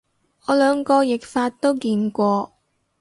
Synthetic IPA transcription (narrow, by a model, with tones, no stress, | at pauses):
ɔː˨˧lœː˨˧ŋkɔː˧jɪ˨k̚faː˧t̚t̪o˥wkiː˧nkʷɔː˧